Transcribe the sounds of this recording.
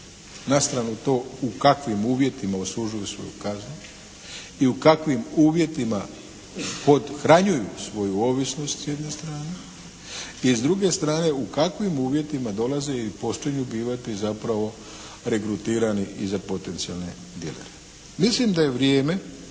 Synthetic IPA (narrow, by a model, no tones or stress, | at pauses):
nast̪ɾanut̪o̞ːukakʋimuːʋje̞t̪imaosuʒujusʋo̞̰jṵkaznu | iukakʋimuːʋje̞t̪ima̰ | po̞d̪xɾaɲujusʋo̞juo̞ːʋisno̞st̪sjed̪ne̞st̪ɾaːne | izd̪ɾuɡe̞st̪ɾaːne̞ukakʋimuːʋje̞t̪imad̪o̞laze̞ipo̞ʃt͡ʃiɲubiːʋat̪izapɾaʋo̞ | ɾe̞kɾut̪iːɾaniʔizapo̞t̪e̞nt̪sialˠne̞̰ | d̪ielḛɾe | mislimd̪aje̞ʋɾjeːme̞